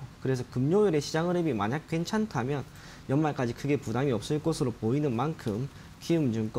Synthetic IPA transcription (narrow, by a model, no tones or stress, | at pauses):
kɯɾesʰʌkɯmɲoiɾe̞ɕʰid͡ʑaŋɯɾebimaɲak̚k͈we̞nt͡ɕʰantʰamjʌn | jʌnmaɭk͈ad͡ʑikʰɯɡe̞pudaŋiʌp̚s͈ɯɭk͈osʰɯɾopoinɯnmankʰɯm | kiɯmd͡ʑuŋk͈ʌ